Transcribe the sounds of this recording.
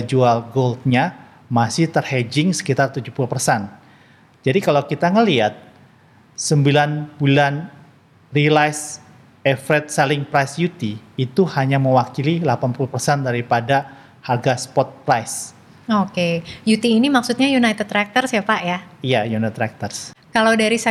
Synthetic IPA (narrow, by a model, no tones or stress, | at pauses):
d͡ʒualɡold̪̚ɲa | masɪht̪ərhed͡ʒɪŋsə̥kit̪art̪ud͡ʒuhpulupərsɛn | d͡ʒadikalawkit̪aŋəliat̪̚ | səmbilanbulan | rilajs | ɛfɾɛt̪̚salɪŋpɾajsjut̪iːt̪uhaɲaməwakililapanpulupərsɛndaɾipada | harɡaspɔt̪̚pɾajs | okejut̪iːnimaksut̪̚ɲajunajt̪ɛt̪̚t̪ɾak̚t̪ərsjiapaʔjaijajunaɛt̪ːɾak̚t̪ərskalawdaɾisa